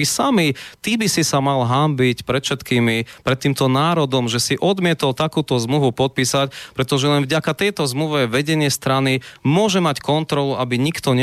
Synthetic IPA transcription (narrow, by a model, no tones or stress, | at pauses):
isamit̪ibisisamalɦambicpɾɛt̪fʃɛt̪kiːmipɾɛt̪ːiːmt̪ɔnaːɾɔd̪ɔmʒɛsiʔɔd̪mɪɛt̪ɔlt̪akuːt̪ɔzmluʋupɔt̪̚piːsacpɾɛt̪ɔʒɛlɛnvɟakat̪ɛjt̪ɔzmluʋɛʋɛɟɛɲɪɛst̪ɾanimʊɔʒɛmackɔnt̪ɾɔluabiɲikt̪ɔɲɛ